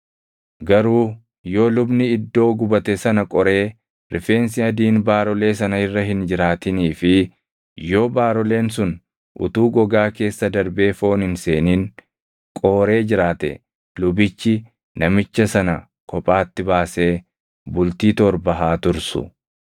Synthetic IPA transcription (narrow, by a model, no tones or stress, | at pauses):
ɡɐɾuː | joːlʊbnɪɪd̪ːo̞ːɡʊbɐt̪ɛsɐnɐkʼɔɾe̞ː | ɾɪfe̞ːns̬ɪɐd̪iːnbaːɾɔle̞ːs̬ɐnɐɪrːɐɦɪnd͡ʒɪɾaːt̪ɪniːfɪ | jo̞ːbaːɾɔle̞ːns̬ʊn | ʔʊ̰t̪uːɡɔɡaːke̞ːsːɐd̪ɐɾbeːfo̞ːnhɪnse̞ːniːn | kʼo̞ːɾe̞ːd͡ʒɪɾaːt̪ɛ̰ | lʊbɪt͡ʃːɪ | nɐmɪt͡ʃːɐsɐnɐ | kʰɔpʼaːt̪ːɪbaːse̞ː | bʊlt̪iːt̪ɔɾbɐɦaːt̪ʊɾsʊ̰